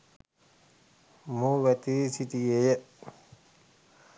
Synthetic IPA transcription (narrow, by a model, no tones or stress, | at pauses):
muʋɛt̪isit̪iejə